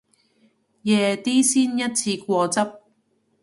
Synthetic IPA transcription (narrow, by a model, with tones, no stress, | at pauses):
jɛː˨˩t̪iː˥siː˥njɐ˥t̚t͡sʰiː˧kʷɔː˧t͡sɐ˥p̚